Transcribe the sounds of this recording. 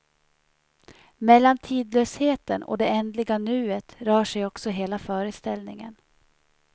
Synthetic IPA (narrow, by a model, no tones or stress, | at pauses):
mɛlːant̪ʰiːd̪løːsheːt̪ənɔ̰d̪ɛɛnd̪lɪɡanʉ̟ːət̪ɾœːʂɛjɔksɔɦeːlafœːɾəst̪ɛlnɪ̰ŋə̰n